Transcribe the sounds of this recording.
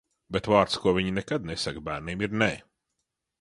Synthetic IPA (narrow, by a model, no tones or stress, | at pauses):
bet̪vaːɾt̪skuɔvʲiɲnɛkad̪̚nɛsakbæːɾniːmiɾnɛ